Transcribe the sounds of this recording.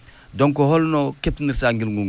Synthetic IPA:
doŋkɔhɔlnɔketniɾsaŋɡilŋɡuŋ

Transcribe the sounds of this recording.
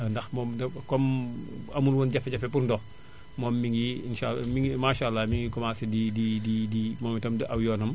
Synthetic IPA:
ndɐxmɔːmdɐkɔmɐmulwɔnɟɐfɛɟɐfɛpurndɔːx | mɔːmːiŋɡiinʃamimaːʃalːamiŋɡikɔmasɛdidididimɔːmɛtɐmdiʔɐwjɔːnɐm

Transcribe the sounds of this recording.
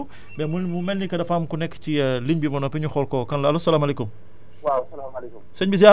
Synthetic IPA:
u | bɛmuumɛlːikɐdɐfaːmkunɛkːciliɲbimɐnɔpɛɲuxɔlkɔːkɐnlɐɐlusɐlaːmɐlekum | wawɐlamɐlɛkumsɐɲbis̬ja

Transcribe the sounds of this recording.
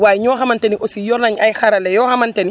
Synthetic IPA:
wajɲɔːxamantɛniʔosijɔɾnaɲajixaɾalɛjɔːhamantɛni

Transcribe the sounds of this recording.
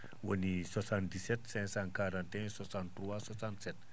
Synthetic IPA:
wənisɔsand̪isɛt̪̚sɛnsaŋkaɾant̪ɛsɔsant̪ɾuasɔsansɛt̪̚

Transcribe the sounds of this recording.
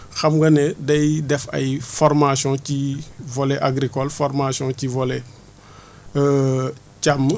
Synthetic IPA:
xɐmɡɐnɛdɐjdɛfɐ̰jfɔrmasjɔ̃civolɛʔaɡɾikɔlfɔrmasjɔ̃civɔlɛ | camː

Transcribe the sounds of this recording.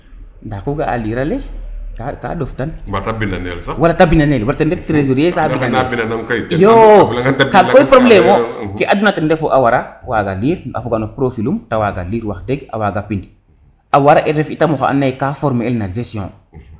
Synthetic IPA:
ndakuɡaa̰liɾalekaka̰doftanbatabinanelsawalatabinanelwalatendeftɾezoɾjesainanbinanamkajokakojpɾoblemokeʔadunatendefoʔawaɾawaɡaliːɾa̰fuɡanopɾofilumtawaɡa̰liɾwakdeɡa̰waɡapind | awaɾaʔeɾefitamoxa̰ʔa̰nːajkafɔɾmelnazesijɔ̰̃

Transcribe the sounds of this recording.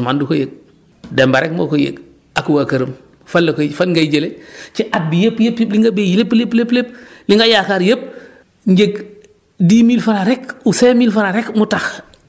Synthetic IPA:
mandukojek̚ | dɛmbaɾɛk̚mo̰kojḛk | akuwakɐɾɐm | falːɐkofanŋɡaid͡ʒelet͡ʃiʔat̚bijepːjepjepliŋɡabejilepːlepleplepliŋɡajakaɾjep̚ | ɲɟek | diːmilfanaɾɛkuseːmilfanaɾɛkmutax

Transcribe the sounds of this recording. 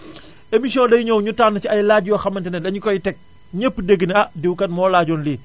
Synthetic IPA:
emisiɔ̃ːndɐjuɲɔwɲutaːnːt͡ʃiɐjlaːɟjɔxɐmɐntɛnɛdɐɲukɔjitɛk̚ | ɲəpːdəɡːəneɐdiwkɐt̚mɔːlaːɟɔːnliː

